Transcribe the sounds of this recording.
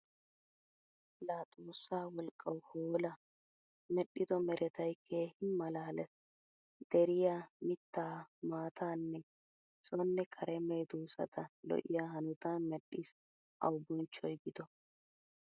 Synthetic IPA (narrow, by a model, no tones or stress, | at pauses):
laːt̪ʼuːsːaːwɔlkʼːɐwhoːlɐ | mɛɗɪd̪ɔmɛɾɛt̪ɐjkʰːeːhɪmːɐlaːlɛs | d̪̥ɛɾɪjaːmɪt̪ːaːmaːt̪ʰaːnːɛ | sʼɔnːɛkʰɐɾɛmejd̪uːsɐ̰t̪ʰɐlɔ̰ʔɪ̰jaːhɐnʊt̪aːnmɛɗːis | ʔɐ̰wbʊnt͡ʃːɔjɡɪd̪ɔ